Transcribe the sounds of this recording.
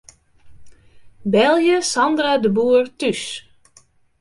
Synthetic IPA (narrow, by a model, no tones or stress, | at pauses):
bɛlˠjəsɑndradəbuːərtys